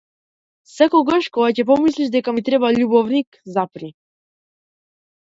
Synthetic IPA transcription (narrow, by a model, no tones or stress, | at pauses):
sɛkɔɡaʃkɔɡacɛp̬ɔmisliʃd̪ɛkamit̪ɾɛbaʎubɔvnikzapɾi